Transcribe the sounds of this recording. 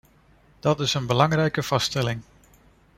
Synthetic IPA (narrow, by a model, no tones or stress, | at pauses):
d̥ɑtɪsənbəlɑŋrɛjkəv̥ɑstɛlɪŋ